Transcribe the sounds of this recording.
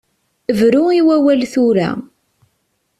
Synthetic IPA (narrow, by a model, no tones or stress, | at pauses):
əvɾʊiwæwælθʊɾæ̰